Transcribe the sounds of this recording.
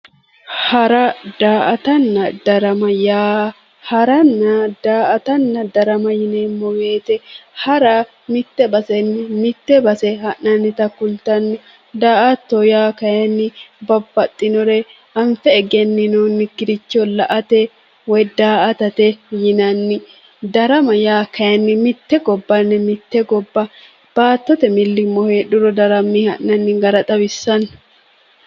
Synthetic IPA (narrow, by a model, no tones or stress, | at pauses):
hɐɾɐd̪̥aːʔɐt̪ɐnːɐd̪ɐɾɐmɐjaː | hɐɾɐnːɐd̪aːʔɐt̪ɐnːɐd̪ɐɾɐmɐjɪneːmːɔɡe̞ːt̪ɛhɐɾa | mɪt̪ːɛbɐsɛnːɪmɪt̪ːɛbɐsɛɦɐʔɐnːɪt̪ɐkːʊlt̪ɐnːɔ | d̪aːʔɐt̪ːɔjaːkɐjɛnːɪbɐbːɐt̪ʼːɪnɔɾɛ | ɐɱfɛːɡɛnːɪnuːnːɪɡɪɾɪt͡ʃːɔlɐʔɐt̪ɛ | wɔjd̪aːʔɐt̪ɐt̪ɛjɪnɐnːɪ | d̪ɐɾɐmɐjaːkɐjɐnːɪmɪt̪ːɛɡɔbːɐnːɪmɪt̪ːɛɡɔbːɐ | b̥aːt̪ːɔt̪ɛmɪlːɪmːɔheːɗʊɾɔd̪ɐɾɐmːihɐ̰ʔːɐnːɪɡɐɾɐt̪ʼɐbɪsːɐn